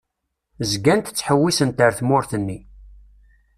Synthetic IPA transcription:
zɡænt̪t͡sːħəwːisənt̪əɾθmʊɾθənːi

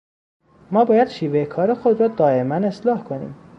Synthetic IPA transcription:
mɒːbɒːjæd̪̥ʃiːvejekʰɒːɾexod̪ɾɒːd̪ɒːe̞mæne̞slɒːhkʰo̞nḭːm

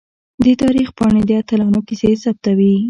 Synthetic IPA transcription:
d̪ət̪ɑɾixpɑɳed̪əat̪ɪlɑnokisesap̚t̪awi

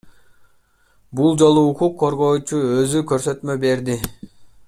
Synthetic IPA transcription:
bulˠd͡ʒo̞lˠuːqʰuqʰːo̞ɾʁo̞ːt͡ʃuøzykø̞ɾsø̞t̪mø̞be̞ɾd̪i

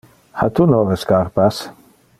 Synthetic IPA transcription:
hat̪unɔreskaɾpas

